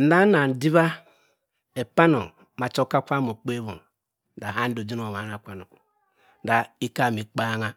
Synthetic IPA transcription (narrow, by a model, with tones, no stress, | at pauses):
n̩˦da˦na˨n̩˨di˦βa˦ | e˨pa˦no˨ | ma˨t͡ʃo˦ka˦kʷa˦mo˨k͡pe˦βo̰˨n˦ | da˨ɦa˦n̩˦do˨d͡ʒi˦no˨o˨ma˨˦a˨kʷa˦˨no˨ku˨˦ | da˨i˦ka˦˨mi˨k͡pa˦ŋa˦